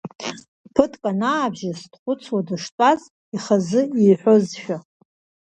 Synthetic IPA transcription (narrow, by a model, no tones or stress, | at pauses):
pʰɨtʼkʼanaːbʒasdχʷʊt͡sʰwadɨʂt͡sʷʼaz | iχazɨijħʷozʃᶣa